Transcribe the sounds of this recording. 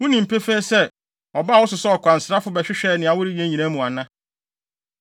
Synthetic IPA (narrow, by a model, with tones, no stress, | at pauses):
wʊ̃˦nĩ˨m̩˨pʰe˦feː˦sɛ˦ | ɔ˨ba˦˨wʊ˦sʊ˨sɛ˦ɔ˨kʷã˨n̩˨sɾa˦fʊ˨˦bɛ˨ɕᶣɪ˦ɕᶣɛ˦nɪ̃˨a˨wʊ˦ɾi˦ɥi˨ẽ˦ɲĩ˨nã˦mũ˨a˨nã˦